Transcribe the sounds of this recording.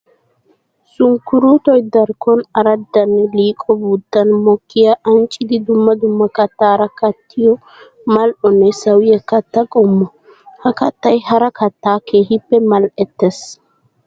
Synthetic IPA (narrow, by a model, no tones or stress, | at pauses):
sʊŋkʊɾuːt̪ɔjd̪ɐɾkɔnɐɾɐd̪ːɐnːɛliːkʼɔbuːt̪ːɐnmɔkːɪjaʔɐnt͡ʃʼːɪd̪ɪd̪ʊmːɐd̪ʊmːɐkɐt̪ːaːɾɐkɐt̪ʰːɪjɔ | mɐlʔɔnːɛsɐwɪjɛkɐt̪ːɐkʼɔmːɔ | hɐkɐt̪ːɐjhɐɾɐkɐt̪ːaːkʰe̞ːɦɪpːɛmɐlʔɛt̪ːɛs